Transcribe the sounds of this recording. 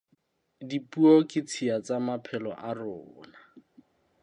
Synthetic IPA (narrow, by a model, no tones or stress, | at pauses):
dipʼuɔkʼɪt͡sʰiat͡samapʰɛlɔ̰ʔarɔːna